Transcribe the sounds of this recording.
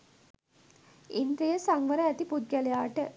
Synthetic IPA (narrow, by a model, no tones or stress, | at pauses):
ind̪ɾijəsaŋʋəɾəæt̪ipud̪̚ɡælejaːʈə